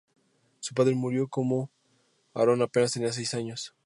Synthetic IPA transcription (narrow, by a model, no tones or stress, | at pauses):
su̥paðɾe̞muɾjo̞ko̞mo̞ | a̰ɾo̞nape̞nast̪enias̬ejsaɲo̞s